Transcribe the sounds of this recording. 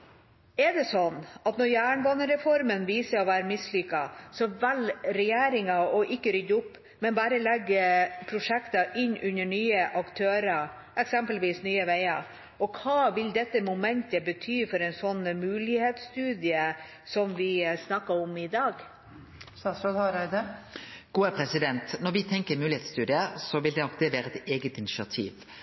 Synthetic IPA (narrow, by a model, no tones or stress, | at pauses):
ɛɖ̪ɛsɔnːɑt̪nɔɾjæːɳʋɔnəɾɛfɔɾmənʋiːsəɾɔʋæːɾəmɪslʏkːɑsɔʋɛlɾɛjeːɾɪŋɑɔʔɪkːəɾʏd̪ʊpː | mɛnbɑːɾəlɛɡːpʰɾʊʂɛkt̪ɑʔɪnːʔʉnːəɳyːəʔɑkt̪ʰøːɾɑ | ʔɛksɛmpəlʋiːsnyːəʋeɪɑ | ɔkʰɑːʋɪld̪ɛt̪ːəmʊmɛnt̪əbət̪ʰyːfɔɾɛɪnsɔnːmʉːlɪheːt̪st̪ʉːd̪ɪə | sɔmʋɪsnɑkːəɾɔmɪd̪ɑːɡ | sɑsɔd̪hɑɾæd̪əɡ̥uːæɾpʰɾɛsɪd̪ɛnt̪nɔɾʋɪt̪ʰɛŋkəɾmʉːlɪhɛt̪st̪ʉːd̪ɪəsɔʋɪld̪ɛnɔk̚d̪ɛʋæːɾəɛt̪eːɡət̪ɪnɪʃɑt̪ʰḭːʋ